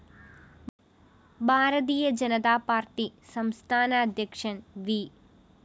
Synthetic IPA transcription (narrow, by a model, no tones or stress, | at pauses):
bʱaːɾɐt̪̬iːjɐd͡ʑɐnɐt̪aːpaːɾʈisɐmst̪ʰaːnɐːd̪ʱjɐkʂɐnʋi